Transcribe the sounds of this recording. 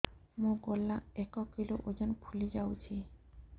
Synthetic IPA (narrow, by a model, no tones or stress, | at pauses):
mõɡolːaɛkɔkiloʔod͡ʑonpʰulid͡ʑawt͡ɕʰi